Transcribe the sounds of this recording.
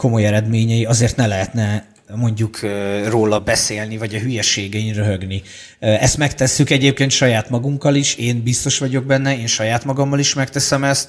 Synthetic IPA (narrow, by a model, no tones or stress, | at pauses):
ko̞mo̞jɛɾɛd̪meːɲɛjiɒzeːrt̪nɛlɛɦɛt̪nɛ | mo̞ɲɟukʰːroːlɒbɛseːlnivɒɟɒɦyjɛʃeːɡɛinrøɦøɡni | ɛst̪mɛkt̪ɛsːykɛɟeːp̚keːnt̪ʃɒjaːt̪mɒɡuŋkɒliʃeːnbist̪o̞ʃʋɒɟo̞ɡ̚bɛnːɛeːnʃɒjaːt̪mɒɡɒmːɒliʃmɛkt̪ɛsɛmɛst̪